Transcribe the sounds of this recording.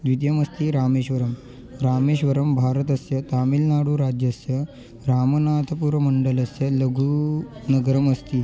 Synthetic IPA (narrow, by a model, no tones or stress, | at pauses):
d̪ʋid̪jɐmɐst̪iːɾaːmeːɕʋɐɾəm | ɾaːmeɕʋɐɾɐmbʱaːɾət̪ɐsjɐt̪aːmilnaːɽuːɾad͡ʑjɐsjɐ | ɾaːmənat̪ʰəpuːɾʋɐməɳɖəlɐsjɐləɡʱunɐɡəɾəmɐst̪iː